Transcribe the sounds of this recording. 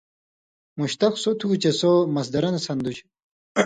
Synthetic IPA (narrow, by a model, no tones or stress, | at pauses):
muɕt̪ɐksot̪ʰuːt͡ɕesomɐs̬d̪ɐɾɐnsɐnd̪ut͡ɕ